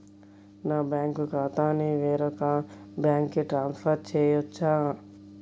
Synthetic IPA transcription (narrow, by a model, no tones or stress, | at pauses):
nabɛ̃ːŋkokaːt̪ãːniʋeːɾokãːbaːŋkːeʈɾãːnspʰəɾt͡ʃʰejot͡ʃʰa